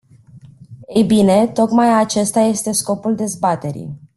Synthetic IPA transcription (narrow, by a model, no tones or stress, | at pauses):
ejbine̞t̪o̞kmajat͡ʃe̞st̪aje̞st̪e̞sko̞puld̪e̞zbat̪e̞ɾḭj